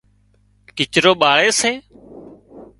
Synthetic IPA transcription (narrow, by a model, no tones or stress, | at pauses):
kɪt͡ʃɾoːɓaːɭeːseː